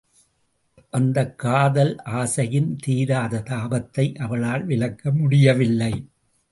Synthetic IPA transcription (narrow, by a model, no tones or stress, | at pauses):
ʔɐnd̪ɐkːaːðɐlʔaːsɐjɪnt̪iːɾaːðɐt̪aːbɐt̪ːɐɪʔɐʋɐɭaːlʋɪlɐkːɐmʊɽɪjɐʋɪlːɐɪ